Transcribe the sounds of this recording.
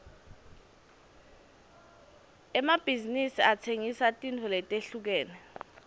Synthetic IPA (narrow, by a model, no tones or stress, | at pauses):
ɛmab̥ʱizinisiatʰeŋisatʼintʰɔlɛtʼeɬuk̬ɛːnɛ